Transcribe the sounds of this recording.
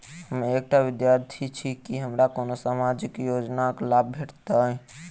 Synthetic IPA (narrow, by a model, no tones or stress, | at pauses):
həmek̚ʈabid̪jaɾt̪ʰit͡ʃʰikiɦəmɾakonosamad͡ʒikjod͡ʒnaklab̚bʱeʈt̪ə